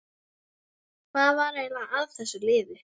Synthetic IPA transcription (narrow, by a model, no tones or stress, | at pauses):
kʰvaðvaɾejlaaaðθɛsːʏlɪːðɪ